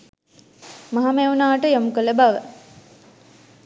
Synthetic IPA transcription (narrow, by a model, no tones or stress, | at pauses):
maɦameunaːʈəjamukələbaʋə